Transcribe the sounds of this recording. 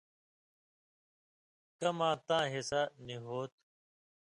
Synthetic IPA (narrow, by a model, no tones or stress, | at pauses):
kɐmãːt̪ãːɦesaniɦoːt̪